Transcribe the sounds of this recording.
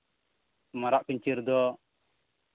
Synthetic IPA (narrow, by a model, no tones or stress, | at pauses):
maɾaʔpiɲt͡ʃiɾd̪ɔ